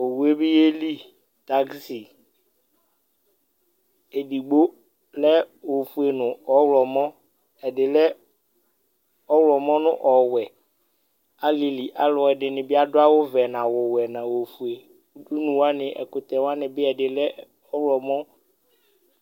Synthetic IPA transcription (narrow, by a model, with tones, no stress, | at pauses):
o˨wu˨e˦bɪ˦je˦li˦ | ta˨˦ɡsi˨ | e˨di˨ɡ͡bo˦ | lɛ˦wo˨fu˨e˨nʊ̃˨ɔ˨˦wlɔ˨mɔ̃˦ | ɛ˨dɪ˨lɛ˦ | ɔ˦wlɔ˨mɔ̃˦nʊ̃˦ʔɔ˨wɛ˨ | a˦li˨li˨ʔa˦lɔ˨ɛ˨dɪ˨nɪ̃˨bɪ˦a˦dʊ˦a˦wʊ˦vɛ˨nã˨wɔ˨wɛ˨nã˨wo˨fu˨e˨ | u˦du˦nũ˨wa˦nɪ˨ʔɛ̰˨kʊ˨t̪ɛ˨wa˦nɪ̃˨bɪ˦ɛ˨dɪ˨lɛ˦ | ɔ˦wlɔ˨mɔ̃˦